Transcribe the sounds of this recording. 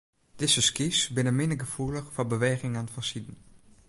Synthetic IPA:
d̥ɪsəskisbɪnəmɪnəɡəfuləxfɔbəʋeːɣɪŋanfɔnsidn̩

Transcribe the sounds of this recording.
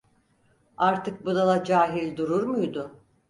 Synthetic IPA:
aɾt̪ɯk̚bud̪alˠad͡ʒaːɦilʲd̪uɾuɾmujd̪ʊ

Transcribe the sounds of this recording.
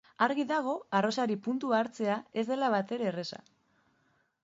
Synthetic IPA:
aɾɣiðaɣ̞o̞aro̞saɾipunt̪uaːɾt͡se̞ae̞zd̪e̞laβ̞at̪e̞ɾe̞ːre̞sa̰

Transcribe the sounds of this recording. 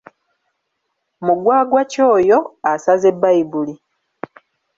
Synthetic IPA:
muɡwaːɡwaco̞ːjo̞asaze̞bːaibuli

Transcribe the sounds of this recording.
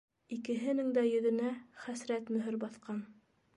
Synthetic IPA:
ikɘ̆ɦɘ̆nɘŋd̪æjɵ̆ðɵ̆næχæsɾæt̪mɵ̆ɦɘɾbɑθqɑn

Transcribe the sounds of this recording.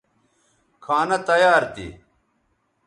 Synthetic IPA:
kʰaːnɐt̪ɐjaːɾt̪ḭ

